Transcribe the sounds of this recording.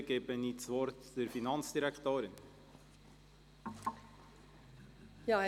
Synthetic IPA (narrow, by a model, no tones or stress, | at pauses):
ɡebənit͡svɔɾtd̥əɾfinɑnt͡sd̥iɾɛkt̪oːɾɪn | jɑ